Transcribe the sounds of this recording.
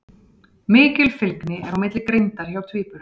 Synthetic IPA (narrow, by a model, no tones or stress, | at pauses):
mɪːcɪlfɪlknɪɛɾawmɪt̪lɪkɾejnt̪aɾ̥çawt̪ʰviːpʏɾ̥